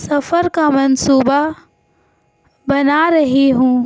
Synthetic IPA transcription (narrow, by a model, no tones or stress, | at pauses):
sɐfəɾkamɐnsuːba | bɐnaɾɐɦiɦũː